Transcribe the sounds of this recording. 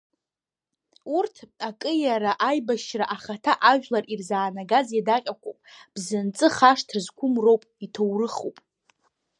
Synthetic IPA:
urtʰakʼɨjaɾaʔajbaʃraʔaχatʰaʔaʒᶣlarirzaːnaɡazjadaqʲʼakʷo̰wpʼb̥zɨnt͡sʼɨχaʂtʰrzkʷʰʊmro̞wpʼitʰowrɨχo̰wpʼ

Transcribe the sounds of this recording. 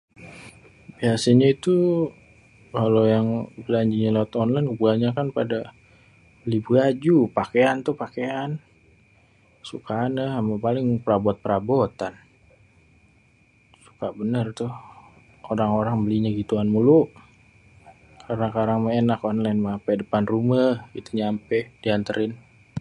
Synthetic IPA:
biasaɲait̪u | kalojaŋbəlaɲd͡ʒiɲalawat̪ɔnlajnubuaɲakanpada | bəlibəad͡ʒupakeant̪ʊhpakean | sukaːnəɦamapalɪŋpəɾabɔt̪̚pəɾabɔt̪an | su̥kabənərt̪ʊh | oɾaŋoɾaŋbəliɲaɡit̪uanmuluʔ | kʰarnakaɾaŋməŋenakɔnlajnməapɛdəpanruməit̪uɲampɛd̥iant̪əɾʔɪn

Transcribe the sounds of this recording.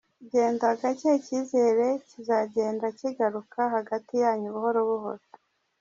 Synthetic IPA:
ɟe̞ːndaaɡaceciːze̞ːɾe̞cizaɟe̞ːndaciɡaɾukʰaɦaɡatijaːɲuβuho̞ɾoβuɦo̰to̥

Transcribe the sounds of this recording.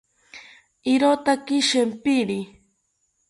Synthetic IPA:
iɾot̪akiʃempiɾi

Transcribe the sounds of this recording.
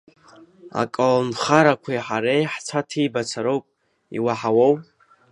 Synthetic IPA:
a̰kʼalnχaɾakʷʰajħaɾejħt͡sʰatʰibat͡sʰaɾowpʼ | ḭwaħawowpʼ

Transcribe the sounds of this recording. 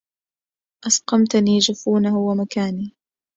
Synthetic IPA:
ʔasqɑmt̪ʊniːd͡ʒafuːnahʊwamakaːniː

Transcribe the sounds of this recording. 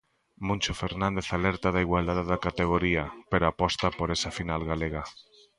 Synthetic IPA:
mũnt͡ʃofeɾnãnd̪eθalɛɾt̪aðaiɣwald̪aðeðakat̪eɣ̞oɾiapeɾoapɔst̪apoɾesafinalɣaleɣa

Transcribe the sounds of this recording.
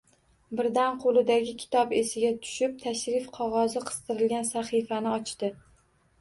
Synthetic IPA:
bɪɾd̪anqʰolˠɪd̪aɡʲɪkʲʰɪ̥t̪ʰɒpesɪɡʲat̪ʰʊ̥ʃɪp̚t̪ʰaʃɾɪfqʰɒʁɒzɨqʰɨ̥st̪ʰɨɾɪlɡʲansaχifanɪɒt͡ʃt̪ɪ

